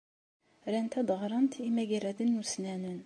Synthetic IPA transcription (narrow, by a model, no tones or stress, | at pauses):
ɾɛnt̪ʰæd̪əʁɾɑnt̪ʰimæɡɛɾæd̪ɪnːusnænɪn